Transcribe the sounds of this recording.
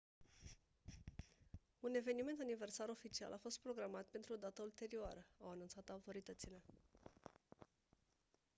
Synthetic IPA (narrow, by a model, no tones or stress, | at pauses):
une̞ve̞nime̞nt̪̬anive̞rsaɾo̞fit͡ʃia̰lʔafo̞st̪̚pɾo̞ɡɾamat̪̚pe̞nt̪ɾud̪at̪əult̪e̞ɾioaɾəawanunt̪sat̪aut̪o̞ɾit̪ət̪sile̞